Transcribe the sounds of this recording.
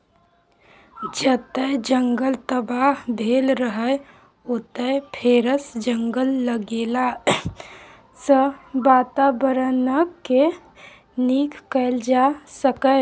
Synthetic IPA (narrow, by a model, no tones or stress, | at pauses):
d͡ʒət̪əd͡ʒəŋɡəlt̪əbaɦbʱeːlɾəɦə | ot̪əpʰeːɾəsd͡ʒəŋɡəlːəɡeːla | səbaːt̪abəɾənəkːe | niːkːəld͡ʒasəkə